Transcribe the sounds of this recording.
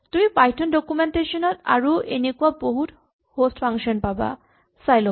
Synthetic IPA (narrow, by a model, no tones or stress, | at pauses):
t̪umipajtʰɔndɔkumenteʃɔnɔta̰ɹuʔenekuaboɦut | hostfʰaŋkʃɔnpaba̰ | sajlɔ